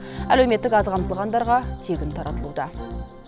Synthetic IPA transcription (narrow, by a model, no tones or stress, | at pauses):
ælewme̞t̪ːɪkɑzqʰɑmt̪əlˠʁɑnd̪ɑɾʁɑt̪ʰe̞ɡʲɪnt̪ʰɑɾɑt̪əlˠud̪ɑ